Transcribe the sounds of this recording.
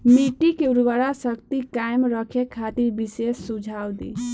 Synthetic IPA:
miʈikeuɾʋəɾasəkt̪ikajmɾəkʰekʰat̪iɾbisesːud͡ʒʱawd̪ḭ

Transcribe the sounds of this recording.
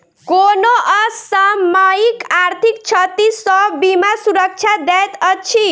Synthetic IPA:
konoʔʌsəmaikaɾt̪ʰik̚t͡ʃʰʌt̪isɔbːimasuɾək̚t͡ʃʰad̪ɛjt̪ʌt͡ʃʰi

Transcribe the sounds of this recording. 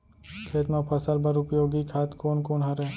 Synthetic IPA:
kʰeːt̪mẽpʰɐsəlbəɾʊpjoːɡikʰaːt̪koːnkoːnɦɐɾɛː

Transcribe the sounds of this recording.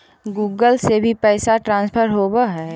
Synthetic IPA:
ɡuːɡəlsebʱipɛːsaʈɾãːnspʰəɾɦoːbaɦɛː

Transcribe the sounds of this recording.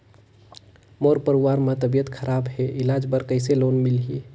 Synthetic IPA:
moɾpəɾuwaɾmat̪əbijət̪kʰəɾabɦeʔɪlad͡ʒbəɾkəɪselonmilɦi

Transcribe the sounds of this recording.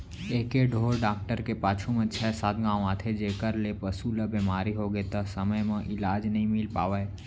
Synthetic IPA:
eːkeɖʱoːɾɖaːk̚ʈəɾkepaːt͡ʃʰumẽt͡ʃʰɛsaːt̪ɡãːw̃ãːt̪ʰed͡ʒeːkəɾlepəsuləbemaːɾiɦoɡəet̪ɐsəməjmẽʔɪlaːd͡ʒnəɦĩmɪlpa̰ːʋəe

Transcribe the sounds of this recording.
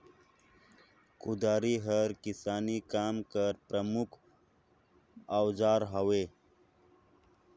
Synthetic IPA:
kud̪aːɾiɦəɾkisaːnikaːmkəɾpɾəmukʰ | awzaːɾɦəwe

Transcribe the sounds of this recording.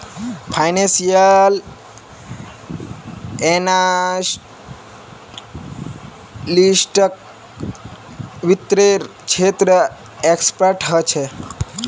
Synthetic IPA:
pʰajnẽsijəl | ena | lisʈək̚ | ʋit̪ːɾeɾ | ʃʰet̪ɾə | ekspəɾʈɦət͡ʃʰe

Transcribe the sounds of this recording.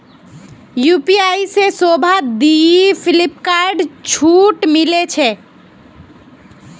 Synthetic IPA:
juːpiaːisesobʱad̪iipʰɪlɪpkaɾɖt͡ʃʰuːʈmilet͡ʃʰɛ

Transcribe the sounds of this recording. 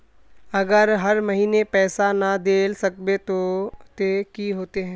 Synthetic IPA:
ɐɡəɾɦɐɾmɐɦiːnepɛːsanad̪eːlsɐk̚bet̪ot̪ekiɦoːt̪eɦɛ̃ː

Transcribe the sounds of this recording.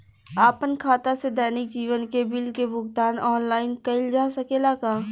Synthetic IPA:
aːpənkʰaːt̪ased̪ɛːnɪk̚d͡ʒiːʋənkebɪlkebʊɡt̪aːnɔːnlaːɪnkɐɪld͡ʒaːsɐkelaːkaː

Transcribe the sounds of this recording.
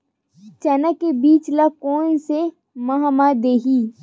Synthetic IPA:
t͡ʃɐnəkːebiːt͡ʃlakoːnse | mɐɦamad̪eːɦiː

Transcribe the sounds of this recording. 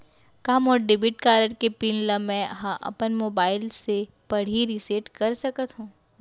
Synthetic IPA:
kamɔːɾɖɪbɪʈkaːɾəʈkepiːnlamɛ̃ɐɦãʔɐ̰pənmoːbaːɪlse | pɐɽ̤iɾiseːʈkɐɾsɐkət̪ɦũː

